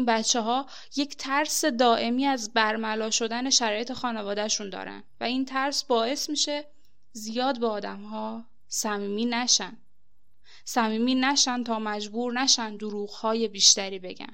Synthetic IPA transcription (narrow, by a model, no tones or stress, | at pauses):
inbæt̪t͡ʃʰːeɦɒː | je̞cʰt̪ʰæɾse̞d̪ɒːʔe̞miːæzbæɾmælɒːʃo̞d̪æne̞ʃæɾɒːje̞t̪ʰe̞xɒːnevɒːd̪æʃund̪ɒ̰ːɾæ̰nvæint̪ʰæɾsbɒːe̞smiːʃe̞ | zijɒːd̪̚beɒːd̪æmhɒː | sæmiːmiːnæʃæn | sæmiːmiːnæʃænt̪ʰɒːmæd͡ʒbuːɾnæʃænd̪oɾuːɣhɒːje̞biːʃt̪æɾiːbe̞̰ɟæ̰n